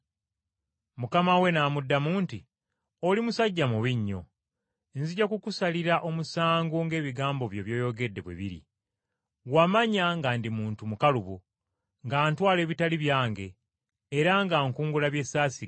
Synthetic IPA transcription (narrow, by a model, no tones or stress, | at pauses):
mukamawe̞naːmudːamuːnti | olimusaɟːamuβiɲːo̞̰ | nziɟakukusaliɾaʔo̞musaːŋɡoŋɡe̞ːβiɡaːmbo̞βjo̞βjo̞ːjo̞ɡe̞dːe̞βwḛβḭɾḭ | wamaɲaŋɡaːndimuːntumukaluβu | ŋɡaːntwaːle̞ːβitaliβjaːŋɡe̞ː | ɾaŋɡaːŋkuːŋɡulaβje̞saːsi